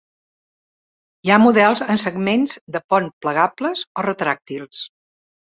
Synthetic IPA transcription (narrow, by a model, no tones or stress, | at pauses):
iamuðɛlˠzənsəɡmenzd̪əpɔnpləɣapləzorət̪ɾak̚t̪ilˠs